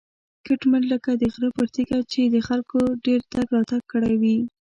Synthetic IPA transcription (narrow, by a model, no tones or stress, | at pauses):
kɪʈmaɳləkad̪əɣɾəpəɾt̪ikat͡ʃed̪əxalkʰoɖeɾt̪aɡɾɑt̪aɡ̚kːəɽajwi